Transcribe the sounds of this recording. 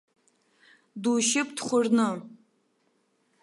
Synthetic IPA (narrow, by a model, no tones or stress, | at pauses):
duʃɪpdχʷʊrnɨ